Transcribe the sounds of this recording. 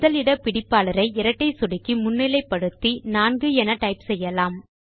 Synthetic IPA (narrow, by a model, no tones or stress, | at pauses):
ʊðɐlɪɽɐpɪɽɪpːaːlɐɾɐɪɪɾɐʈːɐɪsɔɽɪkːimʊnːɪlɐɪpːɐɽɯt̪ːinaːnɡɯɛnɐʈɐɪpsɛjːɐlaːm